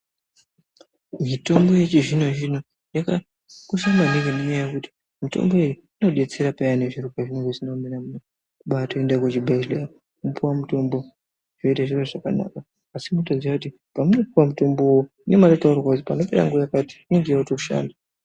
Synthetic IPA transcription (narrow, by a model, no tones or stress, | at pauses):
mito̞mbo̞jet͡ʃiʐinoʒin̤o | jaka | koʃ̬amanekemuɲajajekuti̥ | mito̞̰mbo̞eju | ino̞ɗe̞t͡seɾapajane̞ʐiɾupaʐinoŋɡoʐinominamuno | kuɓatoendakwet͡ʃibʱalea | mupuwamuto̞mbo̞ | ʐ̥oitaʐiroʐakana̰kaː | simotod͡ziwakuti | pamuno̞puwamutomboo | ne̞maretaurrwakutipano̞pe̞ɾa̰ŋɡuaakati̥enɡiautoʃa̰ːnda